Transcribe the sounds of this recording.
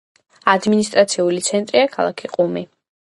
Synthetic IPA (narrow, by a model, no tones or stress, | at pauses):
ad̪minist̪ʼɾat̪sʰiulit̪sʰɛnt̪ʼɾiakʰa̰lˠa̰kʰiqʼumi